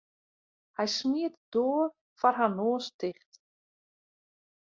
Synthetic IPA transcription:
hajsmiːt̪d̪ɔːɾ | faɾ̥ɦanːɔːst̪ʰɪχt̪

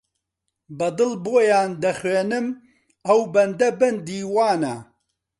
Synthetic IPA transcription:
bɐd̪ɨlboːjaːnd̪ɐxweːnɨm | ɐwbɐnd̪ɐbɐnd̪iːwaːnɐ

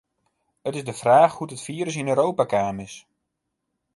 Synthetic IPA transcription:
ətɪzdəfraːxhutətfiːəɾəs̬ɪnøːɾowpakaːmɪs

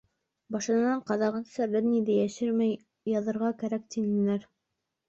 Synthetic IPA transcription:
bɑʃɤ̆nɑɴqɑðɑʁɤnsæɾlɘɾnid̪æjæʃɘɾmæj | jɑðɤ̆ɾʁɑkæɾæk̚t̪inɘ̆næɾ

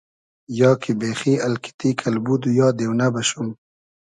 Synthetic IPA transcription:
jɑːkʰibexialkɪ̥t̪ikʰalbud̪ujɑːd̪ewnabaʃum

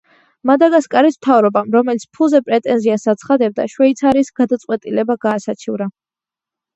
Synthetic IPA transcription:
mad̪aɡaskʼaɾism̥t̪ʰavɾɔbamɾɔmɛlit̪sʰpʰulˠzɛpʼɾɛt̪ʼɛnziasat̪sʰχad̪ɛb̚d̪a̰ʃwɛit̪sʰaɾisɡ̥ad̪at̪sʼqʼwɛt̪ʼilɛbaɡaːsat͡ʃʰivɾa

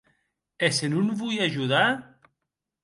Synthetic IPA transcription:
esenunvujaʒuða

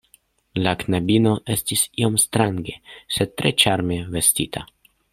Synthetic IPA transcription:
laknabino̞ʔe̞stisio̞mstɾaŋɡe̞se̞d̚tɾet͡ʃaɾme̞ve̞stitʰa̰

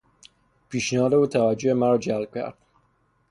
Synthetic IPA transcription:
pʰiːʃnehɒːd̪e̞uːt̪ʰævæd͡ʒːohemæɾɒːd͡ʒælb̥̚cʰæ̰ɾd̪̥

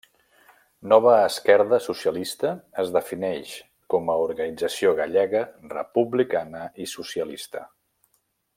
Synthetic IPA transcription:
nɔβ̞əːskɛɾðəsusiəlist̪əːzðəfinɛʃ | kɔməuɾɣənid͡zəsioɣaʎɛɣərə̰puβlikanəisusiəlist̪ə

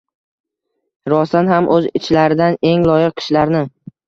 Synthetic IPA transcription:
ɾɒsanhamʔɵzɪt͡ʃʰlaɾɪd̪ane̞ŋlɒjɪq̚ːʰɨ̥ʃlaɾnɪ

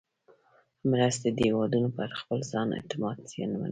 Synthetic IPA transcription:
mɾast̪ed̪ewɑd̪unopəaɾaxpəlzɑnɪ̰t̪ɪmɑd̪sjḛnama̰na

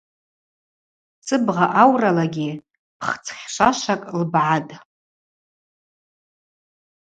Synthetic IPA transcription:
t͡sʼɨbʁaʔawralaɡʲi | pʰχt͡sʰχʲʂʷaʂʷakʼlbʕatʼ

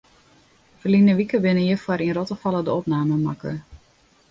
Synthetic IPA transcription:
fərlinəʋikəʋɪnəjəfwaɾinrɔtəfɑlˠədəɔpnaːməmakə̰

